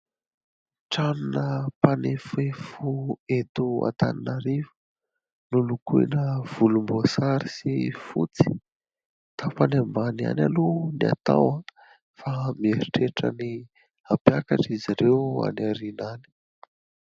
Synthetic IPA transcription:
ʈ͡ʂanunəpanefefuet̪ua̰t̪a̰ninaɾivu̥ | nulukuḛnəv̥ulumbosaɾisifṵt͡si̥ | t̪afanembania̰nʲalunia̰t̪a̰wa | famieɾiʈ͡ʂeʈ͡ʂəni | apjakaʈ͡ʂiziɾewa̰naɾinani̥

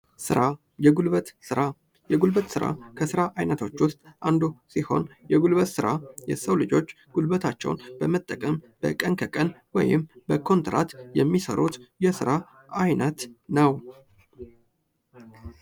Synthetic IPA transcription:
sɨ̰ɾa | jɛɡulβət̪sɨɾa | jɛɡulbət̪ʼsɨɾa̰kʰəsɨɾaʔajnət̪ʰo̞t͡ʃːwʊst̪ʼʔand̪usiho̞̰njɛɡulβət̪sɨɾajɛ̰səwlɨd͡ʒo̞t͡ʃː | ɡ̥ulbət̪ʰat͡ʃːɛ̰wnb̥əmət̪ʼːəkʼəm | b̥ə̰kʼənkʰəkʼənwɔ̰jɪ̰mbəkʰo̞nt̪ɾa̰t̪jɛmːisə̰ɾut̪jɛsɨɾa | ʔajnət̪nəw

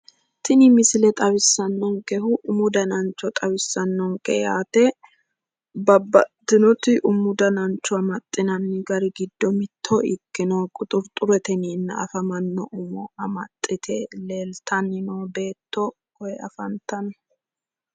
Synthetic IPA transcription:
t̪ʰɪnɪmɪsɪlɛt̪ʼɐwɪsːɐnːɔŋkɛɦʊʔʊmʊd̪ɐnɐnt͡ʃːɔt̪ʼɐwɪsːɐnːɔŋkʼɛjaːt̪ɛ | bɐbːɐ̰d̪ɪnɔt̪ɪʔʊmʊd̪ɐnɐnt͡ʃːɔɐmɐt̪ʼːɪnɐnːɪɡɐɾɪɡɪd̪ːɔmɪt̪ʰːɔɪkːɪnoːkʼʊt̪ʼʊɾt̪ʼʊɾɛt̪ɛniːnːɐ̰ɐ̰fɐmɐnːɔʔʊmɔɐmɐt̪ʼːɪt̪ʰɛle̞ːlt̪ʰɐnːɪnoːbe̞ːt̪ːɔ | kɔjɛɐ̰fɐnt̪ɐn

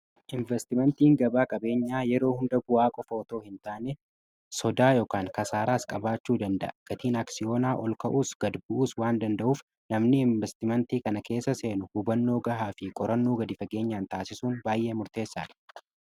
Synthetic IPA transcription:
ʔɪɱvɛst̪ɪmɛnt̪iːŋɡɐbaːkʼɐbe̞ːɲːaːjɛɾo̞ːhʊnd̪ɐɡʊwaːkʼɔfoːt̪o̞ːhɪnt̪aːnɛ | sɔd̪aːjoːkaːŋkɐsaːɾaːskʼɐbaːt͡ʃːuːd̪ɐnd̪ɐ̰ʔɐɡ̥ɐt̪iːnɐksɪjo̞ːnaːʔɔlkɐʔuːsɡ̥ɐd̪bʊʔuːswaːnd̪ɐnd̪ɐʔuːf | nɐmnɪɪɱvɛst̪ɪmɛnt̪iːkɐnɐkʰe̞ːsːɐse̞ːnʊhʊbɐnːo̞ːɡɐɦaːfɪkʼɔɾɐnːuːɡɐd̪ɪfɐɡe̞ːɲːaːnt̪aːsɪsuːnbaːjʔe̞ːmʊɾt̪e̞ːsːa̰ːd̪ɐ̥

